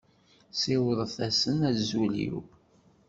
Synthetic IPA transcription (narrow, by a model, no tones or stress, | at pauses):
siwðˤəθæsənæzuljṵ